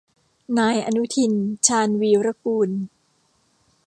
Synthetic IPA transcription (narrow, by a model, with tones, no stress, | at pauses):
naː˧jʔa˧nu˦˥t̪ʰi˧nt͡ɕʰaː˧nwiː˧wɾa˦kuː˧n